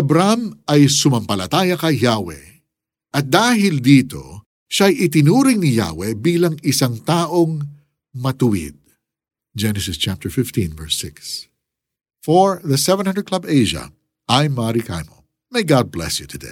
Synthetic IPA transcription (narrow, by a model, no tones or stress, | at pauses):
ɐbɾamʔɐjsʊmɐmpɐlɐt̪aːjɐkɐjhaːwɛ̰ | ʔɐt̪̚d̪aːɦɪld̪iːt̪o̞̰ | ʃajɪt̪ɪnuːɾɪŋnija̰ːwɛbiːlɐŋɪsaŋt̪aːʔo̞ŋ | mɐt̪ʊwḭd̪̚ | d͡ʒɛnɛsɪst͡ʃap̚t̪ɛɹfɪft̪ĩnvɛɹsɪ̰ks | foɹðɐsɛvɛ̃nhɐndɹəd̪̚kʰlɐbejʒɐ̰ | ʔajmːaɾika̰jmo̰ | mejɡad̪̚blɛ̰sjut̪ʰʊd̪ḛj